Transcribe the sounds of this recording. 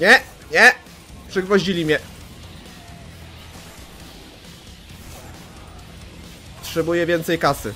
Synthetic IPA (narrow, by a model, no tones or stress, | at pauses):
ɲɛ | ɲɛ | pʂɘɡvɔʑilʲimʲɲɛ | tʂɛbujɛvʲjɛnt̪sɛjkasɘ̰